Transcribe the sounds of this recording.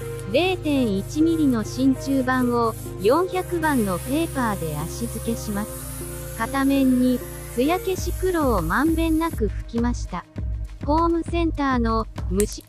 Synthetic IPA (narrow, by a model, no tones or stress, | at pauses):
ɾe̞ːt̪ẽ̞ɰ̃it͡ɕimʲiɾʲino̞ɕĩɲt͡ɕɨːbãɰ̃o̞ | jõ̞ɰ̃çakɯ̟bãnːo̞pe̞ːpaːd̪e̞aɕizɨke̞ɕimasɨ̥ | kat̪amẽ̞ɲ̟ːi | hɯjake̞ɕikɯ̟ɾo̞ːmãmbẽ̞nːakɯ̟ɸɯ̟̥kʲimaɕi̥t̪aɸo̞ːmɯ̟sẽ̞nt̪aːno̞mɯ̟